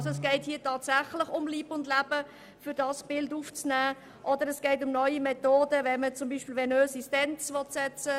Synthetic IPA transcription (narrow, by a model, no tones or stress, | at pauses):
zoɛs̬ɡ̥ɛɪthiːətɑːtsæχləχʊmliːbəʊndlæb̥ə | fʏɾdɑsb̥ɪlduːft͡snæː | ʔɔdəɾɛsɡ̥ɛɪtʊmnœʏimɛtoːdəvɛnmət͡sʊmbiːʃpɪːlʋɛnøːsistɛnt͡sʋɔtsɛt͡sə